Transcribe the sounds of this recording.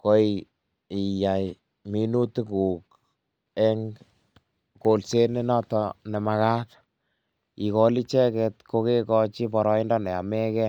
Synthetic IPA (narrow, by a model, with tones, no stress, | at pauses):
ko˦i | i˨ja˨j | mi˦nu˦tu˦ku˨k | ɛ˦ŋ | ko˨lse˦ne˦nɔ˦tɔne˨ma˧ka˦t | i˨ko˦li˦t͡ʃɛ˦kɛ˧tko˧ke˦kɔ˧t͡ʃi˦pɔ˨ɾɔ˦i˦ndɔ˦nɛ˨a̰˨mɛ˦kɛ˦